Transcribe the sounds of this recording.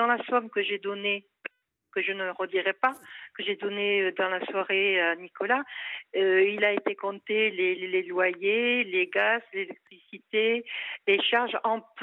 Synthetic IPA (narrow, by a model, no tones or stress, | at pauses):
ɑ̃lasɔmkəʒed̪ɔne | kəʒənəʁəd̪iʁɛpakəʒed̪ɔneød̪ɑ̃laswaʁeanikɔlaøilaet̪ekɔ̃t̪elelelwajeleɡazlelɛk̚t̪χisit̪eleʃaʁʒɑ̃p